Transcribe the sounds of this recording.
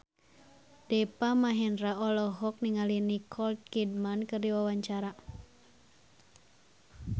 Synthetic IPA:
dɛpamaɦɛnɾaɔlɔɦɔk̚niŋalinikʰɔlt̪̚kid̚mankɨrdiwawaɲt͡ʃaɾa

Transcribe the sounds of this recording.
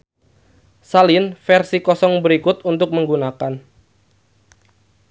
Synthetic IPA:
salinfɛrsikɔsɔŋbəɾikʊt̪unt̪ʊk̚məŋɡunakan

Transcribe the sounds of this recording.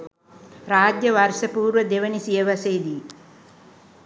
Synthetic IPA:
ɾaːd͡ʒjɐʋaɾsɐpuːɾʋɐd̪eʋɐnisijɐʋɐseːd̪i

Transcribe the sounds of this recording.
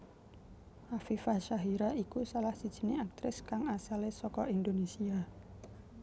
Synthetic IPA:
hafifaʃaɦiɾaikusalahsid̥ʒ̥ə̤neak̚t̪ɾɪskaŋasalesɔkɔʔind̪onesia

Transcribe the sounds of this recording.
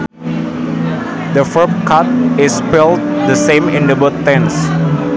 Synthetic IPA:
d̪əfəpkʰat̪̚ɪspɪlˠt̚d̪əsẽmɪ̃nd̪əbʊt̪ːɛ̃ns

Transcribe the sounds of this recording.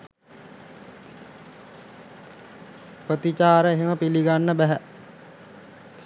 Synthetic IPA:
pɾət̪it͡ʃaːɾəeɦeməpiliɡanːəbæɦæ

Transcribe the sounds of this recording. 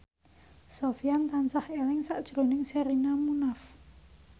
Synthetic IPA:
sofijant̪ansahelɪŋsaʔd̥ʒ̥ɾo̤nɪŋsɛɾinamunaf

